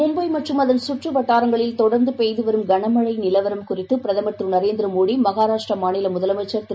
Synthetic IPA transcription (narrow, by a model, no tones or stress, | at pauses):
ʊmbɐɪmɐʈrɯmɐðɐnsʊʈrɯʋɐʈːaːɾɐŋɡɐɭɪlt̪ɔɽɐɾnd̪ɯpejðɯʋɐɾɯmɡɐɳɐmɐɻɐɪnɪlɐʋɐɾɐmkʊrɪt̪ːɯpɪɾɐðɐmɐʈ̪rɯnɐɾeːnd̪ɪɾɯmoːɽimɐɣaːɾaːʂʈrɐmaːnɪlɐmʊðɐlɐmɐt͡ʃːɐɾt̪